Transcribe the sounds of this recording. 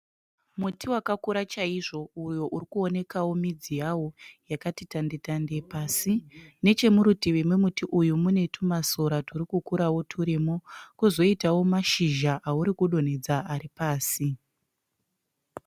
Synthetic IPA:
mutiwakakuɾat͡ʃaiʐo̞ujo̞ʔurikuo̞ne̞kawo̞mid͡zijawo̞jakatitandetande̞paːsine̞t͡ʃe̞muɾutiʋemwemutiʔujumune̞tʰumasoɾatʰuɾikukuɾawo̞tʰuɾemokuzo̞itawo̞maʃiʒaʔauɾikuɗo̞ne̞d͡zaʔaɾipaːsi

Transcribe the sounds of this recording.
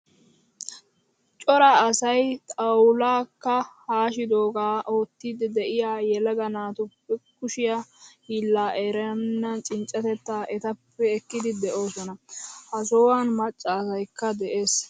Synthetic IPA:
t͡ʃʼɔɾɐːsɐjt̪ʼɐwlaːkːɐhaːʃɪd̪o̞ːɡaːʔoːt̪ːid̪ɪd̪ɛʔɪjaːjɛlɐɡɐnaːt̪ʊpːɛkʊʃɪjahiːlːaːʔeːɾɛnːɐnt͡ʃʼɪnt͡ʃʼːɐt̪ɛt̪ːaːʔɛt̪ɐpːɛɛkːɪd̪ɪd̪ɛʔo̞ːsɔnɐhɐs̬oːwaːnmɐt͡ʃʼːɐːsɐjkːɐd̪ɛʔe̞ːs

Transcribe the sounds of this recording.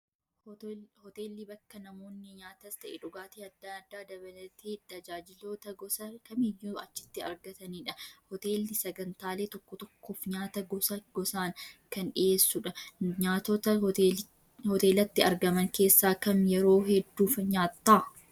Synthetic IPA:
hɔt̪e̞ːlːibɐkːɐnɐmo̞ːnːɪɲaːt̪ɐst̪ɐʔɛᶑʊɡaːt̪iːɐd̪ːɐd̪ːaːd̪ɐbɐlɐt̪it̪ɐd͡ʒaːd͡ʒɪloːt̪ɐɡɔsɐkɐmiːjuɐt͡ʃːɪ̥t̪ːɪɐ̰ɾɡɐt̪ɐniːᶑɐhɔt̪e̞ːlɪsɐɡɐnt̪aːle̞ːt̪ɔkːɔt̪ɔkːoːfɲaːt̪ɐɡɐɡɔsaːnkɐnᶑɪʔe̞ːsːʊᶑɐɲaːt̪ɔt̪ɐ | hɔt̪e̞ːlɐt̪ːɪɐɾɡɐmɐŋke̞ːsːaːkɐmjɛɾo̞ːɦɛd̪ːuːfɐɲaːt̪ːaː

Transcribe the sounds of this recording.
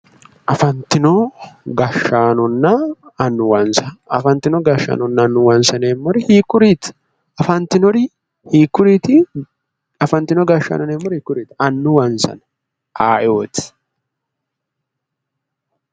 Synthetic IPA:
ʔɐfɐnt̪ːɪnɔɡɐʃːaːnɔnːɐːnːʊwɐnsɐɐfɐnt̪ːɪnɔɡɐʃːa̰ːnɔnːɐnːʊwɐnsɐneːmːɔɾɪhiːkːʊɾiːt̪ | ɐfɐnt̪ːɪnɔɾɪ | hiːkːʊɾiːt̪ɪ | ɐfɐnt̪ɪnɔɡɐʃːa̰nɔneːmːɔɾhiːkːʊɾiːt̪ɐnːʊwɐnsɐ̰n | ʔaːʔoːt̪ɪ̥

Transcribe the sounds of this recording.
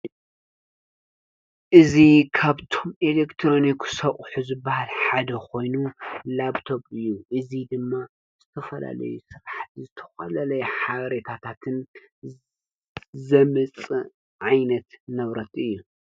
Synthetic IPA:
ʔɨzikʰaβt̪ʰo̞melekt̪ʰɾo̞niksɐʔʼħuzɨbːahalħad̪ɐkʰo̞jnulabt̪ʰo̞bɨjːuʔɨzid̪ɨmːa | z̥ɨt̪ʰɐfɐla̰lɐ̰jusɨɾħat̪zɨt̪ʰɐ̥xɐlɐlɐjɛħaβɐɾet̪ʰat̪ʰat̪ʰɨn | zɐmɨt͡sʼɨ | ʕajnɐt̪nɐβɾɐt̪ʰɨjːu

